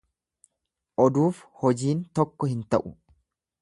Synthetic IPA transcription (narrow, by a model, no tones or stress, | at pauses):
ʔɔd̪uːfhɔd͡ʒiːnt̪ɔkːɔhɪnt̪ɐʔʊ